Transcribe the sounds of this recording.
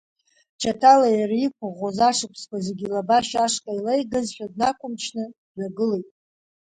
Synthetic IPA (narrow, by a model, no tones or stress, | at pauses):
t͡ʃʰatʰalajarikʷʰʊʁozaʂɨpʰskʷʰazeɡʲilabaʃaʂkʼajlejɡɨzʃᶣadnakʷʼʊmt͡ʃʰnɨ | zaɡɨlejtʼ